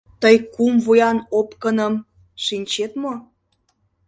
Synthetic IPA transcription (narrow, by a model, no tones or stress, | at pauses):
t̪əjkumvujɑnopkənəm | ʃinʲt͡ɕet̪mo